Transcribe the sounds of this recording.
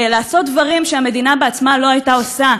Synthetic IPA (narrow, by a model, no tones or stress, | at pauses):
laːso̞t̚d̪vaʁimʃeame̞d̪inabeat͡smalo̞ajt̪ao̞sa